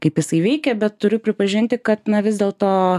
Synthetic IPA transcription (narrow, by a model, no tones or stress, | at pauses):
kɐɪpjɪsɐɪʋʲɛɪkʲɛbʲɛt̪tʊɾʲʊpʲɾʲɪpɐʒʲɪnʲt̪ʲɪkɐt̪nɐʋʲɪzʲd̪ʲeːlˠt̪oː